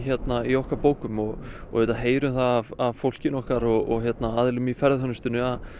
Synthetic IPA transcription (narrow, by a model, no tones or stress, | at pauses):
çjɛt̪naiɔhkaɾpoːwkʏmɔɣɔ̰vet̪aɦeːjɾʏmθaavavfowl̥cɪnɔhkaɾɔɣɔɣçjɛt̪naaːðɪlʏmifɛɾðhœnʏst̪ʏnːʏað